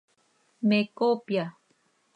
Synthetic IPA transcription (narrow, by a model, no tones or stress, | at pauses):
mekopja